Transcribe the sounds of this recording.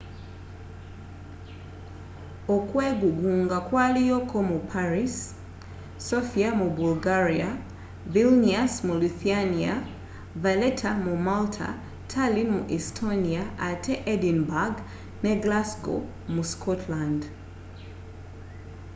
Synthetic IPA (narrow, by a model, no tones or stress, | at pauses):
ɔkwɛɡuɡuŋɡakwalijɔkʰɔmupʰaɹisː | ɔfiamubulɡaɹia | vilniasmuliθiania | valɛtʰamumaltʰa̰ | tʰalinmuʔistʰɔniaʔatʰɛʔɛdinbaɡ | nɛɡlasɡɔ̰ | muskʰɔtʰland